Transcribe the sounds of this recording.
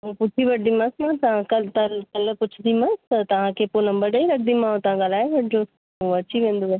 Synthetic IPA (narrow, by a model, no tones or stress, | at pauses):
ɦũpʊt͡ʃʰiʋɐʈimãsmãt̪ɐʋ̤ãkɐlt̪ɐlkɐlpʊt͡ʃʰʊd̪ʰimãst̪ɐt̪ɐʋ̤ãkʰeːponɐ̃mbəɾɗəiɾɐk̚ʰd̪imãõt̪ɐʋ̤ãɡɐlaːeʋɐʈʰɪd͡ʑoː | ũɐt͡ɕiʋẽːnd̪oeː